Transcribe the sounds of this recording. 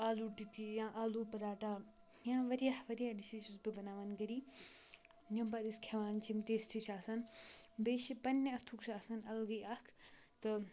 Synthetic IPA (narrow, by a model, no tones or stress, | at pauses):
aːluʈikijãːʔaːluːpɐɾaːʈaː | jãːʋɐɾijahʋɐɾijaɖiʃit͡ʃusbibɐnaːʋanɡɐɾiː | jɐ̃pad̪iskʰɐʋaːnt͡ʃʰimt̪eːsʈʰiʃʰaːsɐnbeːʃipɐnːeɐt̪ʰukʃʰaːsɐnɐlɡɐjakʰ | t̪ɨ